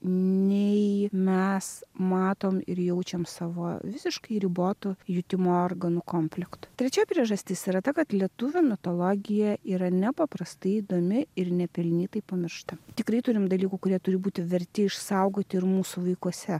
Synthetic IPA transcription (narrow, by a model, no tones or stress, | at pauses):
nʲɛɪɪmʲɛsmɑːt̪oːmɪ̰ɾjɛʊt͡ʃʲɛmsɑːʋo̰ːʋʲɪsʲɪʃkɐɪɾʲiboːt̪ʊjʊt̪ʲɪmoːoːrɡɐnukoːmʲfʲlʲɪkt̪ʊ̥t̪ʲɾʲɛt͡ʃʲoːjpʲɾʲiɛʒɐsʲt̪ʲɪsiɾɐt̪ɐkɐt̪lʲiɛt̪ʊʋʲomʲɪt̪oːlˠoːɡʲɪjɛiːɾɐnʲɛpɐpɾɐst̪ɐɪiːd̪oːmʲɪɪɾnʲɛpʲɛlʲnʲiːt̪ɐɪpɐmʲɪɾʃt̪ɐt̪ʲɪkɾɐɪt̪ʊɾʲɪmd̪ɐlʲiːkukʊɾʲiɛt̪ʊɾʲɪbuːt̪ʲɪʋʲɛɾʲt̪ʲɪɪʃsɐʊɡoːt̪ʲɪɪɾmuːsuʋɐɪkuɔsʲɛ